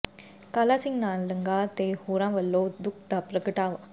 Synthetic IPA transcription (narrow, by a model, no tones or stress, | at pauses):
kɐlasiŋɡnaːnlɐŋɡaːt̪eːhuɾãːʋɐlːoːd̪ʊk̚d̪apɾɐkɨʈaːʋɐ